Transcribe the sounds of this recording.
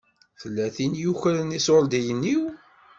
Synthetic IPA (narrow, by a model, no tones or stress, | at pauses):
θəlːæθinjuçəɾənisoɾd̪ijənːiw